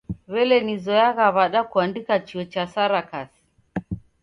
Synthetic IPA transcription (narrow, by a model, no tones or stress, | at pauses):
βɛlɛnizɔjaɣaβaɗakuandikat͡ʃiɔt͡ʃasaɾakasi̥